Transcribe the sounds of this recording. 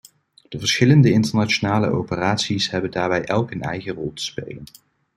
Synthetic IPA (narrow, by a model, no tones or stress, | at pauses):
d̥əvəɹsχɪləndəɪntəɹnat͡ʃonaːlə̰ʔowpəraːtsisɦɛbəndaːɹbɛjʔɛlˠkənɛ̰jχərɔlˠtə̥spḛjlən